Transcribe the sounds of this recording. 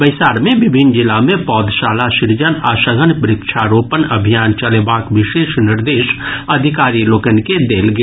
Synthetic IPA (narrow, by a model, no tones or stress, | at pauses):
bəɪsaːɾmẽʋɪbʱɪnd͡ʒɪlamẽpɔːd̪ʱʃaːlaʃɪɾd͡ʒənaːʃəɡənpɾɪkʃʰaːɾoːpənɐbʱijaːnt͡ʃɐlebaːkʋɪʃeːʃnɪɾd̪eːʃɐd̪ʱɪkaːɾiloːkənked̪eːlɡ